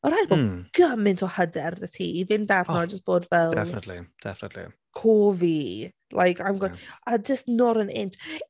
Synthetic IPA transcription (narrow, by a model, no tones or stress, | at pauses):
ɔɾajt̚b̥oɡ̥əmɪntʰɔhədɛrðətʰḭːivɪndarnɔd͡ʒəst̚b̥oːdvɛlˠɛfnətʰlḭd̥ɛ̰fnətʰlḭ | kʰoːvi | lʔa̰jkʰajmɡɔad͡ʒəstnɔɾənɪntʰ